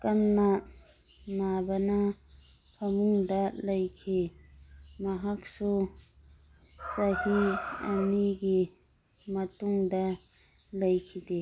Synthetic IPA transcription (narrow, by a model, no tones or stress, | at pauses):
kɐnːa | nabɐnɐ | pʰɐmuŋdɐlɐjkʰi | mɐɦak̚su | sɐhiɐ̰niɡi | mɐtuŋdɐ | lɐjkʰide